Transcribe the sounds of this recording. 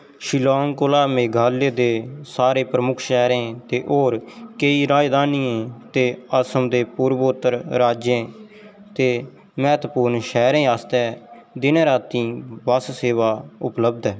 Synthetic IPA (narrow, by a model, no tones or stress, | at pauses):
ʃɪloːŋkʊlaːmẽːɡʱaːlːeːd̪eːsaːɾeːpɾəmʊkʰʃɛːɾẽːt̪eːʔoːɾkəiːɾaːd͡ʒd̪aːniːẽːt̪eːəsəmd̪eːpuːɾʋoʊt̪ːəɾɾaːd͡ʒjẽː | t̪eː | mɛːt̪puːɾnʃɛːɾẽːaːst̪ɛː | d̪ɪneːɾaːt̪ĩːbəsseːʋaːʊpləb̚d̪ɛː